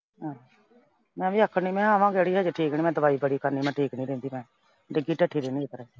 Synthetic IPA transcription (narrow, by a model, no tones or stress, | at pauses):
ɦã | mɛ̃ːʋiːəkʰːəiːmɛ̃ːəmãːɡɛɽiːɦɛːd͡ʒeʈʰiːknĩːmɛ̃ːd̪əʋaːiːbəɽiːkəɾniːmɛ̃ːʈʰiːknĩːɾẽːnd̪iːmɛ̃ː | ɖɪɡiːʈəʈʰːiːɾeːniːek̪əɾɛː